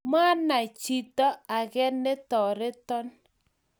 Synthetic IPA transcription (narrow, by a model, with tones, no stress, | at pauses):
ma˦na˨t͡ʃi˨tɔ˦a˨kɛ˦ne˦tɔ˨ɾɪ˦tɔ˦n